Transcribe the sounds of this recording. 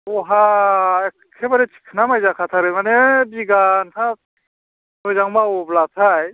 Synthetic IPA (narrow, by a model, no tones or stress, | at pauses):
ɔɦaekkʰːebaɾetʰi̥kʰːɯnamajzakʰat̪ʰaɾɯmanebiɡankʰa | tɯjzaŋmaoblat̪ʰaj